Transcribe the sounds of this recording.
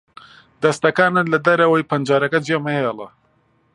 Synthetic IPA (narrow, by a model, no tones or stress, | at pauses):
d̪ɐst̪ɐkaːnɨt̪lɐd̪ɐɾɐwɐjpʰɐnd͡ʒaːɾɐkɐd͡ʒemɐhelˠɐ̰